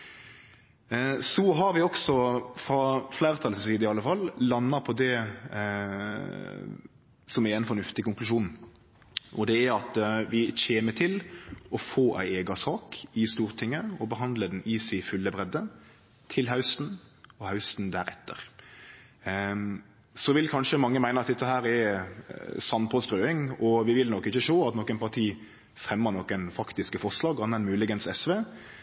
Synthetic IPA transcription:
sɔɦɑɾʋɪɔksɔfɾɑflæːɾt̪ʰɑlt̪ɪsiːd̪əɪɑlːəfɑlːlɑnːɑpʰɔd̪ɛ | sɔmæɪnfɔnʉft̪ɪkʊŋklʉʃuːn | ʔɔd̪ɛæɾɑt̪ʋɪçeːmət̪ʰɪlɔfoːʔæ̰ɪɛːɡɑsɑːkɪst̪uːɾt̪ʰɪŋːəɔbəɦɑnd̪ləd̪n̩ɪsɪfʉlːəbʁɛd̪ːə | t̪ʰɪlɦɑʉst̪nɔhɑʉst̪n̩d̪æɾɛ̰t̪ʰːə̰ʁ | sɔʋɪlkʰɑnʂəmɑŋːəmæɪnəɑt̪̚d̪ɛt̪ːəɦæːɾɛɾ | sɑnpʰɔst̪ɾøːɪŋɔʋɪʋɪlnɔkːɪçəʃoːɑt̪nɔkːənpɑt̪ʰiː | fʁɛmːənɔkːɛnfɑkt̪ɪskəfɔʁʂlɑːɡɑnːɛnmʉːlɪɡənsɛsʋeː

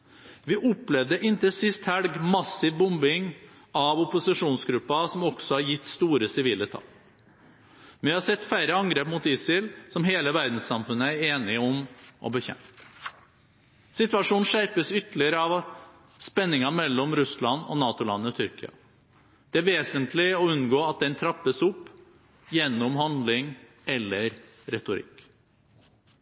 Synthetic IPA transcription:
ʋɪʔɔplɛʋd̪əʔɪnt̪əsɪst̪hælɡmɑsːɪʋbʊmbɪŋ | ɑʋɔpʊsɪʂuːnsɡɾʉpːɑsɔmɔɡ̥sɔhɑɾjɪt̪ːst̪uːɾəsɪʋiːlət̪ʰɑ̰l | mɛnʋɪhɑɾsɛt̪ːfæɪɾəɑŋɡɾeːpmut̪ɪsɪlsɔmɦeːləʋæɾd̪n̩ssɑmfʉnːəæɾeːnɪɔmʔɔ̰bəçɛ̰mt̪ | sɪt̪ʋɑʂuːnʂæɾpəsʏt̪əlɪəɾəɑʋ | spɛnːɪŋɑmɛlːɔmɾʉslɑnːɔ̰nɑːt̪ʊlɑ̰nːəɔt̪ʰʏɾkɪɑ̰ | d̪̥ɛæːɾʋeːsənt̪lɪɔʉnɡoːɑt̪̚d̪ɛnt̪ʰɾɑpːəsʊpː | jɛnːʊmhɑnd̪lɪŋ | ɛlːəɾ | ɾɛt̪ʊɾɪ̰kː

